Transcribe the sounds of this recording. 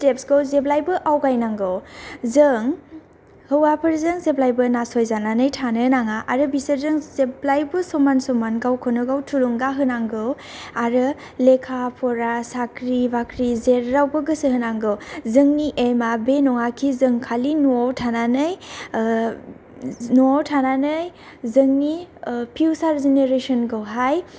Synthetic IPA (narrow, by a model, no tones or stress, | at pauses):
stepsɡowzeblajbɯʔawkajnaŋɡɯwzɯŋ | hɯwapʰɯɾzɯŋzeplajbɯnasojzananɯjtʰanɯnaŋaʔaɾɯbisəɾzɯŋzeblajbɯsɔmansɔmanɡawkʰɔnɯɡawtʰuluŋɡaɦɯnaŋɡɯw | aɾɯ | lekʰapʰɔɾasakɾibakɾizeɾːawbɯɡɯsɯhɯnaŋɡɯwzɯŋniʔemabenɔŋakʰizɯŋkʰalinuawtʰananɯj | nuawtʰananɯj | zɯŋnipʰiwsaɾzeneɾesɔnɡɯwɦaj